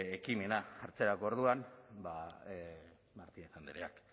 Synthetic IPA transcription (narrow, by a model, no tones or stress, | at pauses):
ekime̞naaɾt͡seɾako̞oɾðuanba | maɾt̪inesand̪eɾea̰k